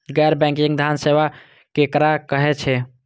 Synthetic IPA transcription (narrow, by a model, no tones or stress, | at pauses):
ɡɛɾbɛ̃ŋkiŋd̪ʱanseba | kekɾakəɦɛt͡ʃʰɛ